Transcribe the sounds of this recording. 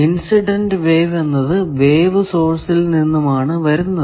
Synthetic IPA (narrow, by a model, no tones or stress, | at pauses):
insiɖendɨʋeːʋenːɐðɨʋe̞ːʋɨso̞ːrsilninːɐmaːɳɨʋɐɾunːɐðɨ